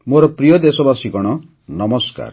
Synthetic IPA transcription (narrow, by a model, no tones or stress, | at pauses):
moɾɔpɾijɔd̪esɔbasikɔɽ̃ɔ | nɔmɔska̰ɾ